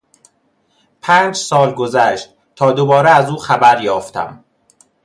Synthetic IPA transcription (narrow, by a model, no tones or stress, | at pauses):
pʰæːnd͡ʒsɒːlɡo̞zæʃt̪̚ | t̪ʰɒːd̪obɒːɾeæzuːxæbæɾjɒːft̪ʰæ̰m